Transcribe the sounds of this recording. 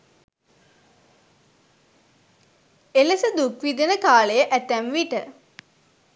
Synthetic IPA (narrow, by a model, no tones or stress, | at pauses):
eləsəd̪ukʋid̪ənəkaːləjəʔæt̪æmʋiʈə